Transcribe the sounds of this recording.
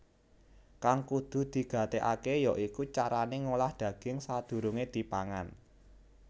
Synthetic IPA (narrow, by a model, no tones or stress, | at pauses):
kaŋkud̪̥ṳd̪̥i̤ɡ̥a̤t̪eʔakejɔʔikut͡ʃaɾaneŋolahd̪̥ä̤ɡ̥ɪŋsad̪̥ṳɾuŋed̪̥i̤paŋa̰n